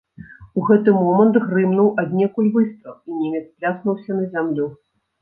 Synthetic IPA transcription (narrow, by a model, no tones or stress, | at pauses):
uɣɛt̪ɨmɔmɐnt̪ɣrɨmnuwʔad̪ʲnʲɛkujʲvɨst̪ɐwinʲɛmʲɛt̪splʲasnuwsʲɐnɐzʲamlʲu